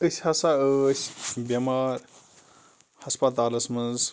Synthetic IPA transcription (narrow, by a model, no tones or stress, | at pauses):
əsʲhɐsaəsʲbʲɐmaːɾ | hɐspɐt̪aːlɐsmɐnz